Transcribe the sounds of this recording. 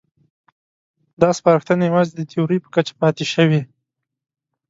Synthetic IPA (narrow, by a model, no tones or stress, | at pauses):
d̪ɑspɑɾəxt̪ənejwɑzed̪ət̪ʰejuɾipə̥kat͡ʃḁpɑt̪eʃəwi